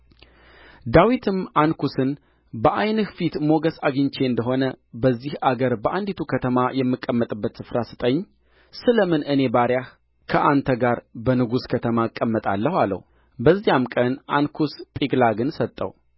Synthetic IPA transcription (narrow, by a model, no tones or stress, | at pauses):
d̪awit̪ʰɨmankʰusɨn | bəʔajnɨhfit̪mo̞ɡəsaɡɨɲt͡ʃʰe̞ɨnd̪əɦo̞nəbəzːihʔaɡəɾbəʔand̪it̪ʰukʰət̪ʰəmajɛmːɨkʼːəmːət̪ʼɨbːət̪sɨfɾasɨ̥t̪ʼəɲː | sɨləmɨnʔɨne̞baɾjah | kʰəʔant̪ʰəɡaɾbənɨɡuskʰət̪ʰəmaɨkʼːəmːət̪ʼa̰lːəhalːə̰hu | bəzːijamkʼənʔankʰust̪ʼiɡlaɡɨnsət̪ʼːə̰w